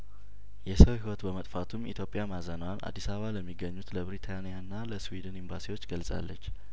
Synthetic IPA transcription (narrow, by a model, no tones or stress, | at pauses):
jɛsəwhiwɔt̪bəmət̪ʼfat̪ʰumit̪ʰjo̞pʼijamazənəwanʔa̰d̪ːisaβaləmːiɡːəɲːut̪ləbɾit̪ʰanijanːaləswid̪ɨnimba̰siwo̞t͡ʃːɡəlsʼa̰lːət͡ʃː